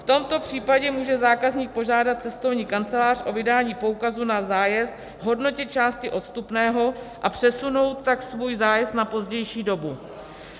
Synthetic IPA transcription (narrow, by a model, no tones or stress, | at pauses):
ft̪o̞mt̪o̞pr̝̥iːpaɟɛmuːʒɛzaːkazɲiːk̚po̞ʒaːdat̪̚t͡sɛst̪o̞vɲiːkant͡sɛlaːr̥ʔo̞vɪdaːɲiːpo̞ukazunazaːjɛst̪ | ɦo̞dno̞cɪt̪̚t͡ʃaːscɪʔo̞t̪st̪upnɛːɦo̞ | ʔapr̝̥ɛsuno̞wt̪ːaksvuːjzaːjɛst̪napo̞zɟɛjʃiːdo̞bu